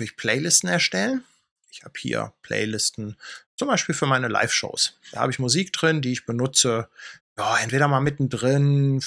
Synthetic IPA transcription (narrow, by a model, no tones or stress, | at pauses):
çpʰl̥ɛɪlɪstn̩ɛɐʃtɛlən | ʔɪçha̰ːbəhḭːɐ̰pʰl̥ɛ̰ɪlɪstn̩t͡sʊmbaɪʃpiːlfyːɐmaɪnəla̰ɪfʃo̰ʊsd̥aːha̰ːbəɪçmuziːkd̥ʁɪndiːɪçb̥ənʊt͡səjaːʔɛntv̥eːɾɐmaːlmɪtn̩dʁɪn